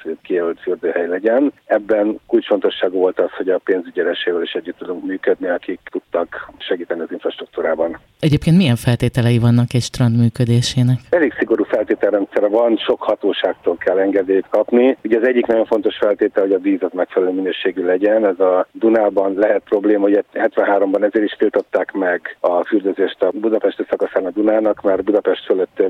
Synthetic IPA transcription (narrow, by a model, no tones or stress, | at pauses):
ɛt̪kijɛlylt̪fyrd̪øːɦɛjlɛɟɛnɛbːɛnkult͡ʃfo̞nt̪o̞ʃːaːɡuvo̞lt̪ɒsho̞ɟɒpeːnzyɟɛɾɛʃeːvɛliʃɛɟːyt̪ːud̪uŋkmyːkød̪niɒkikt̪ut̪ːɒkʃɛɡiːt̪ɛniɒziɱfrɒʃt̪ruk̚t̪uːɾaːbɒn | ɛɟeːp̚keːnt̪mijɛɱfɛlt̪eːt̪ɛlɛjivɒnːɒkɛcʃt̪rɒnd̪myːkød̪eːʃeːnɛkɛleksiɡo̞ɾuːfɛlt̪eːt̪ɛlːɛnt̪sɛɾɛvɒnʃo̞khɒt̪oːʃaːk̚t̪oːlkɛlːɛŋɡɛd̪øːjt̪kɒpniuɟɛːzɛɟːiknɒɟo̞ɱfo̞nt̪o̞ʃfɛlt̪eːt̪ɛlho̞ɟɒviːzɒt̪mɛkfɛlɛløːminøːʃeːɡylɛɟɛnɛzɒd̪unaːlbɒnlɛɦɛt̪̚pro̞bleːmɒoɟɛhɛt̪ʋɛnɦaːɾo̞mbɒnɛzeːɾiʃfilt̪o̞t̪ːaːkmɛɡɒfyrd̪øzeːʃt̪ɒbud̪ɒpɛʃt̪øsɒkɒsaːnɒd̪unaːnɒkmarbud̪ɒpɛʃt̪føløt̪ːø